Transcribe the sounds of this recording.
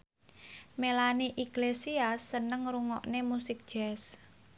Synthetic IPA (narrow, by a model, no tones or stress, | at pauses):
melaniʔiklesiasːənəŋruŋɔʔnemusɪk̚d̥ʒ̥ɛs